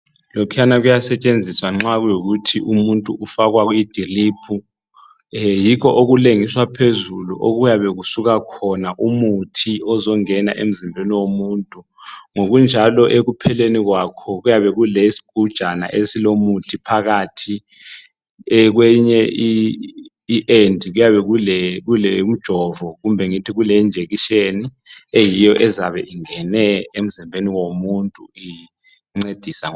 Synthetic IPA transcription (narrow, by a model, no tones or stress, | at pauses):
lokʰɛjanaɣujasɛt͡ʃʼend͡zʱiswaŋ͡ǁaɣujoɣutʰiʔumuntʼuʔufaɣwaɣuid̥ʱiliːpʰu | jikɔʔoɣuleŋiswapʰezuluʔoɣujaβɛɣusuɣakʰɔnaʔumutʰiɔzɔŋɛna̰ʔem̩zimbʱeniwomuːntʼu | ŋoɣund͡ʒʱalɔʔeɣupʰɛleniɣwakʰɔɣujaβɛɣulesi̥ɡ̥ʱud̥ʒ̥ʱana̰ʔesilomutʰipʰaɣaːtʰi | ɛk̬wɛɲɛʔiː | ʔendʱiɣujaβɛɣulɛɣulɛum̩d̥ʒ̥ʱɔvɔɣumbʱɛŋitʰiɣulɛnd͡ʒʱeɣiʃeni | ejijɔʔɛzaβɛ̰ʔiŋɛnɛem̩zimbʱeniwomuntʼui | ŋ͡ǀed̥ʱisaŋ